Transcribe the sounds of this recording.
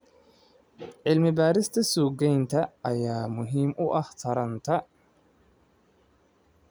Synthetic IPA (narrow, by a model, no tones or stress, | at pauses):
ʕɪlmɪbaːɾɪst̪ʰɐsuːɡɛjnt̪ʰɐɐjaːmʊɦiːmʔʊʔɑht̪ʰɐɾɐnt̪ʰɐ